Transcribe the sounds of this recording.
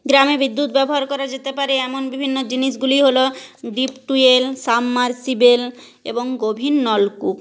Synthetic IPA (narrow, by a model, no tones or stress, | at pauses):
ɡɾamebid̪ːut̪bɛboɦaɾkɔɾad͡ʑet̪epaɾeɛmonbibʱinːod͡ʑiniʃɡuliɦoloɖipʈuelsamːaɾsibel | ḛboŋɡobʱinːɔlkuk